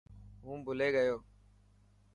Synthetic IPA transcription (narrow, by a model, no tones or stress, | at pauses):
ɦũːbʊleːɠəjoː